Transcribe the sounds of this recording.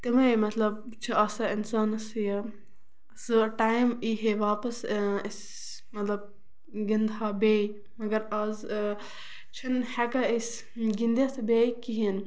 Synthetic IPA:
t̪imɐmɐt̪lɐb̚ | t͡ʃʰiɐsɐinsaːnɐsjɐ | sɨʈaːjmiɦeʋaːpɐsis | mɐt̪lɐb̚ | ɡind̪ɦabeːj | mɐɡɐɾɐz | t͡ʃʰinhɛkɐisʲ | ɡind̪esbeːjkiɦin

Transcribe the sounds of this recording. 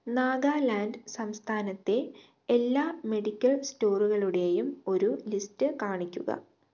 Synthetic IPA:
naːɡaːlaːnɖsɐmst̪ʰaːnɐt̪ːe̞ | elːaːme̞ɽikʲːɐɭsto̞ːruɣɐɭuɽe̞jumo̞ɾulistɨkaːɳikʲːuɣɐ̰

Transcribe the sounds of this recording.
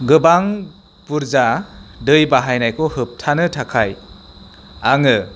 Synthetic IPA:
ɡɯbaŋ | puɾzadɯjbaɦajnajkʰɔhɯp̚tʰanɯtʰakʰaj | aŋɯ

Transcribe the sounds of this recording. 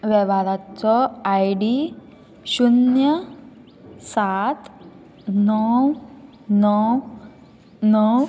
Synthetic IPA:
ʋɛʋaɾat͡sɔajɽi | ɕunjə | sat̪ | nɔw | nɔw | nɔw

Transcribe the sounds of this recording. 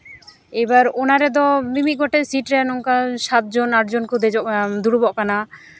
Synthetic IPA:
ejbaɾonaɾɛd̪̬ɔmimiʔ̚ɡɔʈesiʈɾɛnoŋkaʃat̪̚d͡ʑonaʈd͡ʑonkod̪ed͡ʒɔʔd̪uɽubɔʔkana

